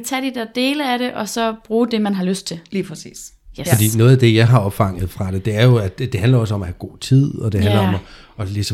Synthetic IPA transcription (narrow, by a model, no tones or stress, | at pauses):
t͡sʰæd̥id̥eɐd̥e̝ːləæɾ̥e̝ʔɒ̽sɒ̽b̥ʁuːd̥e̝mænɦɑ̈løsd̥̚t͡sʰe̝lliːpʰʁɛsḭːs | fɒ̽d̥ḭːnɔ̽ːð̩ˠæd̥e̝jɑ̈ɪɦɑ̈ɒ̽b̥fɑ̈ŋ̰əð̩ˠfʁɑ̈ɾ̥e̝d̥e̝æɐjo̝æ̥d̥e̝ɦændlɐɒ̽səɒ̽mæhæɡ̥o̝̰ːt͡sʰið̰ˠɒ̽d̥e̝hænlɐɒ̽m | ɒlisɒ